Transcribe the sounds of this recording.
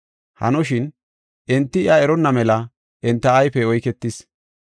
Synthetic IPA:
hɐ̰nɔʃɪn | ʔɛnt̪ːɪɪɐɛɾɔnːɐmɛlɐ | ʔɛnt̪ːɐːjfɛɔjkɛt̪ːɪs

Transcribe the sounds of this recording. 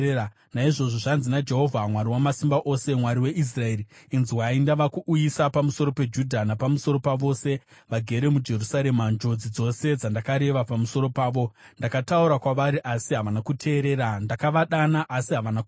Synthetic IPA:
naiʐo̞ʐoʐanzinad͡ʒe̞ɦo̞vʱamwaɾiwamasimbaʔo̞se̞mwaɾiwe̞ʔis̬rae̞ːɾiinziwaindaʋakuʔujisapamuso̞ɾo̞pe̞d͡ʒudʱanapamusoɾo̞paʋo̞ːse̞ | ʋaɡʱe̞ɾe̞mud͡ʒe̞rusaɾe̞mand͡ʒo̞d͡zid͡zo̞se̞d͡zandakaɾe̞ʋapamuso̞ɾo̞paːʋo̞ | ndakatauɾakwaʋaɾiʔasiɦaʋanakutʰe̞ːɾe̞ːɾandakaʋaɗanaʔːsiɦaʋanak

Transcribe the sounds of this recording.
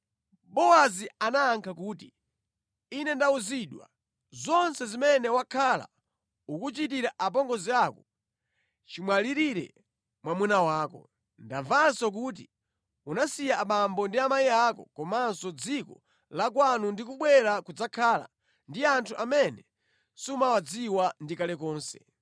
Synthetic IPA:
ɓɔazianaːŋkʰakuːtiː | nɛndauziɗwa̰ | zɔnsɛzimɛnɛwakʰala̰ | ukut͡ʃit̬iɾaʔap̬ɔŋɡɔziakɔ | t͡ʃimwaliɾiɾɛ̰ | mwamunawaːkɔ̰ | ndaɱvasɔk̬uːt̬i | unasijaːɓambɔndiamajiakɔ̰kɔmansɔd͡zikɔ | lak̬wanundikuɓwɛɾakud͡zakʰaːla̰ | ndiantʰuʔamɛnɛ | sumawad͡ziwandikalɛkɔːnsɛ

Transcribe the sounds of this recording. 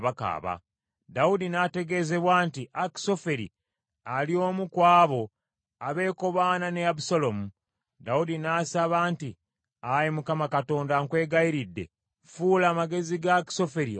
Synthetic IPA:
βaka̰ːβa̰ | daudinaːte̞ɡe̞ːze̞βwaːntiʔaki̥so̞fe̞ɾḭ | alio̞ːmukwaːβo̞ | aβe̞ːko̞βaːnane̞abusolo̞mu | daudinaːsaβaːnti | ajimukamakato̞ːndaŋkwe̞ːɡaiɾidːe̞̰ | fuːlaːmaɡe̞ziɡaki̥so̞feɾi

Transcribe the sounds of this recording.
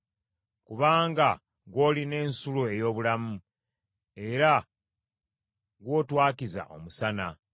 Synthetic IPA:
kuβaːŋɡa | ɡwo̞ːline̞ːnsuluejo̞ːβulamu | e̞ɾa | ɡwo̞ːtwaːkiza̰ʔo̞̰musana

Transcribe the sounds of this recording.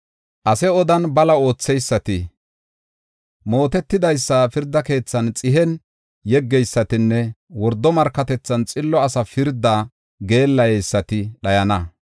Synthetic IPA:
ʔɐsɛɔd̪ɐnbɐlɐo̞ːt͡sːɛjsːɐt̪ɪ | mo̞ːt̪ɛt̪ːɪd̪ɐjsːɐfɪɾd̪ːɐke̞ːt͡sːɐnt͡sʼɪɦɛn | jɛɡːɛjsːɐt̪ɪnːɛwɔɾd̪ːɔmɐɾkːɐt̪ɛt͡sːɐnt͡sʼɪlːɔɐsɐfɪɾd̪ːaː | ɡe̞ːlːɐjɛjsːɐt̪ɪɗɐjɐnɐ

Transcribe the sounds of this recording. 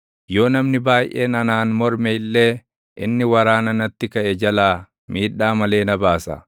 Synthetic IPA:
jo̞ːnɐmnɪbaːjʔḛːnɐnaːnmɔɾmɛɪlːe̞ː | ʔɪnːɪwɐɾaːnɐnɐt̪ːɪkɐʔɛd͡ʒɐlaː | miːᶑːaːmɐle̞ːnɐbaːsɐ̰

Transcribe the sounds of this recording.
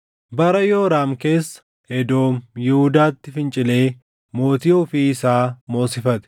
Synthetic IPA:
bɐɾɐjoːɾaːmke̞ːsːɐ̥ | hɛd̪o̞ːmjɪhʊd̪aːt̪ːɪfɪnt͡ʃʼɪle̞ː | mo̞ːt̪iːɔfiːɪsaːmo̞ːsɪfɐt̪ɛ̥

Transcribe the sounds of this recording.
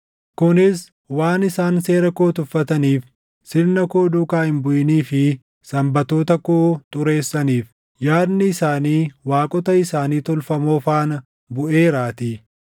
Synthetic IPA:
kʊnɪs | waːnɪsaːnse̞ːɾɐkoːt̪ʊfːɐt̪ɐniːf | sɪlnɐkoːd̪ʊkaːhɪmbʊjɪniːfɪ | sɐmbɐt̪o̞ːt̪ɐkoːt̪ʼʊɾe̞ːsːɐniːf | jaːɾnɪːsaːniːwaːkʼɔt̪ɐɪsaːniːt̪ɔlfɐmo̞ːfaːnɐ | bʊʔe̞ːɾaːt̪ɪ

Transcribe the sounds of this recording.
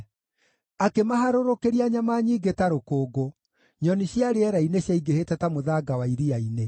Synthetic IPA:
akemaɦaɾoɾokeɾiaɲamaɲiːɡetaɾokoːɡo | ɲɔniɕjaɾeɛɾaineɕjaiɡehetɛtamoðaɡawaiɾiaine

